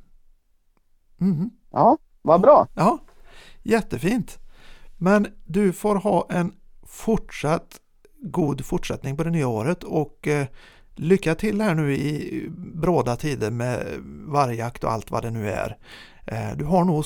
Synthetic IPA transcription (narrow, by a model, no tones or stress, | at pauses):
m̩ | jɑː | vabɾɑːjɑː | jɛt̪ːəfiːnt̪mɛnd̪ɵfoːɾɦɑːʔɛnfʊʈʂat̪ː | ɡuːd̪fʊʈːʂɛt̪nɪŋpɔd̪ɛnyːaoːɾət̪ʰɔk | lʏkːat̪ʰɪld̪ɛhæːɳʉ̟ːɪbɾoːd̪at̪ʰiːd̪əɾmɛ̰vaɾjəakt̪ɔ̰a̰lt̪va̰d̪ɛnʉ̟ːæ̰ɾ | d̪ɵɦaɳuː